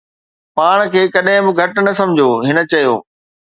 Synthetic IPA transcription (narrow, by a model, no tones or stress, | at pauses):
paːɽ̃kʰeːkɐɗɦɪ̃bɪ̆ɡʱɐʈnɐsɐ̃md͡ʑʱoːɦɪnə̆t͡ɕɐjoː